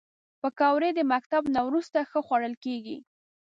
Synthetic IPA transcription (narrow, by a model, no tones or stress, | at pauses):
pəkɑwɾed̪əmakt̪abnawɾust̪axəxwaɽəlkeɡḭ